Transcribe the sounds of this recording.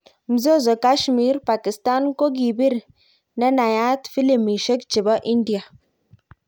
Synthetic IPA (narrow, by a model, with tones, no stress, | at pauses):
m̩˨zo˦˨zo˨ka˦ʃmi˦ɾpa˨ki˨sta˦nko˦ɡi˨bi˦ɾ | ne˦na˨ja˦tfi˦li˨mi˨ʃe˦k̚t͡ʃi˨bɔ˦ʔi˦ndi˨a˨